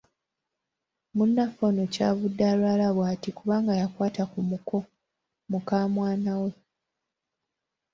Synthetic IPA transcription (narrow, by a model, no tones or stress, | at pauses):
munːafonoca̰ːβudːaːlwalaβwaːtikuβaːŋɡajakwaːtakumukʰo̞ | mukaːmwaːnawe̞